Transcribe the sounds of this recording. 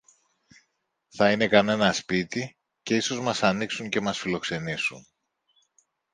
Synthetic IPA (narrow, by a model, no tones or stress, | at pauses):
θɐine̞kɐne̞nɐspit̪i | ce̞iso̞zmɐsɐniksuɲce̞mɐsfilo̞kse̞nisun